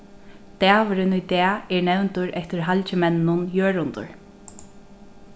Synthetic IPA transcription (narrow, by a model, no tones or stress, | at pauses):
t̪ɛːʋɪɾɪnʊjt̪ɛːɛɹnɛwnt̪ʊɹɛht̪ɪɾɦalt͡ɕɪmɛnːʊnjøːɹʊnt̪ʊ̰ɹ